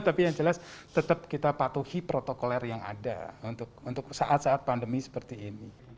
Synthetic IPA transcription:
t̪apijaŋd͡ʒəlast̪ət̪əp̚kit̪apat̪uhipɾot̪okolɛrjaŋa̰da̰unt̪ʊk̚unt̪ʊksaʔat̪saʔat̪̚pandəmisə̥pərt̪iːni

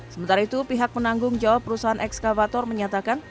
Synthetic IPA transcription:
səmənt̪aɾait̪upiɦak̚mənaŋɡʊŋd͡ʒawapːəɾusaɦanʔɛkskavat̪ɔrməɲat̪akan

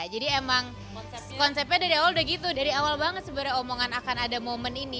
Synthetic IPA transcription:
d͡ʒadiemaŋ | kɔnsɛp̚ɲadaɾiawaldəɡit̪udaɾiawalbaŋət̪səbaɾajomoŋanakanadamomənini

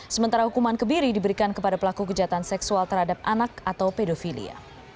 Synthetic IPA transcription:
səmənt̪aɾahukumankəmbiɾidibəɾikankəpadapəlakukəd͡ʒaat̪ansɛksualt̪ərhadap̚ʔanakat̪awpedofilḭa̰

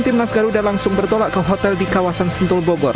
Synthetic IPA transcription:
nt̪ɪmnasɡaɾudalaŋsʊŋbərt̪olaʔkəɦot̪ɛldikawasansənt̪ʊlboɡɔr

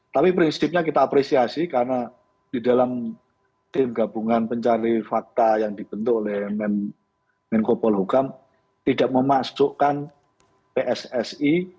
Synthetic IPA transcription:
t̪apipɾinsɪp̚ɲakit̪aːpɾesiasikaɾna | d̥idalam | t̪ɪmɡabuŋanpəɲt͡ʃaɾifak̚t̪ajaŋdib̥ənt̪ʊkolɛhmɛn | mɛnkopɔlɦukam | t̪idaʔməmaʔsuʔkan | peʔɛsɛsi

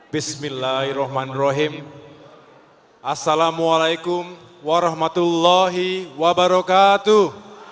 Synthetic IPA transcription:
bismilːahirɔhmanrɔɦim | ʔasːalamualajkʊm | waɾɑhmat̪ulːɔɦiwabaɾɔkat̪uh

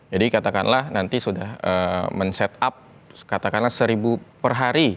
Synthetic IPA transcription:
d͡ʒadikat̪akanlahnant̪isudahəmənsɛt̪̚ap̚ | kat̪akanlahsəɾibupərɦaɾi

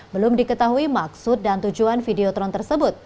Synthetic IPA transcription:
bəlʊmdikət̪aɦuimaksʊt̪̚dant̪ud͡ʒuanfideɔt̪ɾɔnt̪ərsəbʊt̪̚

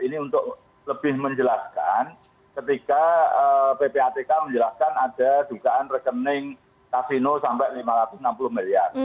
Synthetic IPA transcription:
iniunt̪ʊʔ | ləbɪhməɲd͡ʒəlaskan | kət̪ikaəpepeat̪ekaməɲd͡ʒəlaskanad̥ad̪ukaʔanrəkənɪŋ | k̪asinosampɛʔlimaɾat̪ʊsnampulʊhmilia̰r

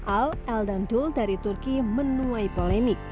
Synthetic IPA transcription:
ʔawʔɛldanduldaɾit̪urkimənuajpolɛmɪk̚

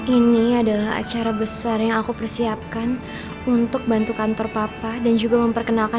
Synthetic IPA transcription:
ʔiniadalaɦa̰t͡ʃaɾabəsarjaŋakupərsiap̚kan | unt̪ʊk̚bant̪ukant̪ɔrpapadand͡ʒuɡaməmpərkənalka

